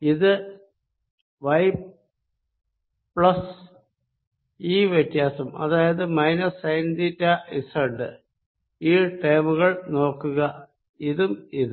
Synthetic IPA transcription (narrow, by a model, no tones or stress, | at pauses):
iðɨ | ʋɐjp | pɭɐs | iːʋjet̪jaːsɐmɐ̰ðaːjɐðɨmɐjnɐsɐjnditːɐisɐɳɖɨ | iːʈejːmuɣɐɭno̞ːkːuɣɐ | iðumiðɨ